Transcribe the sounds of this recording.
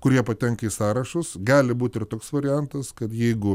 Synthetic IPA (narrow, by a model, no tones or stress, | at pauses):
kʊɾʲiɛpɐt̪ʲɛŋkɐisɑːɾɐʃʊsɡɑːlʲɪbuːt̪ʲɪrt̪oːksʋɐɾʲɪjɛnt̪ɐskɐt̪jɛɪɡʊ